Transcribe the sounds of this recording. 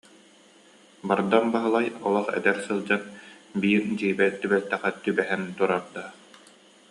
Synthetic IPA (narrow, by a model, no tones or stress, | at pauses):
baɾd̪anbaɦɯlˠajɔlˠɔχɛ̰d̪ɛɾsɯlˠd͡ʑanbiːɾd͡ʑiːbɛt̪t̪ːybɛlt̪ːɛχɛt̪ybɛɦɛnt̪uɾaɾd̪aː